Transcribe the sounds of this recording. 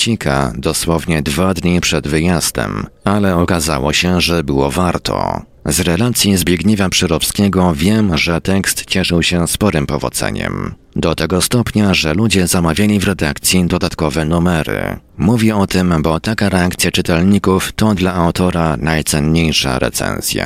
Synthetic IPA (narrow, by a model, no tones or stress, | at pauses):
t͡ɕikʰa̰d̪ɔswɔvɲɛd̪vad̪ɲipʂɛd̪vɘjasd̪ɛ̰malɛɔkaza̰wɔ̰ɕɛʐɛbɘwɔvaɾt̪ʰɔ̰ | zɾɛlat̪sʲjizbʲjeɡɲivʲjapʂɘɾɔpskʲɛɡɔvʲjɛmʐɛt̪ɛkst̪t͡ɕɛʂɘwɕɛspɔɾɘmpɔvɔ̰d̪zɛ̰ɲɛ̰m | d̪ɔt̪ɛɡɔst̪ɔpɲaʐɛlud͡ʑɛzamavʲjalʲivɾɛd̪akt̪sʲjid̪ɔd̪at̪kɔvɛnumɛɾɘ̰muvʲjɛɔt̪ɘmbɔt̪akaɾɛak̚t̪sʲjat͡ʂɘt̪ɛlɲikuft̪ɔd̪laawt̪ɔɾanajt̪sɛnɲejʂa̰ɾɛ̰t̪sɛ̰nz̥ʲja̰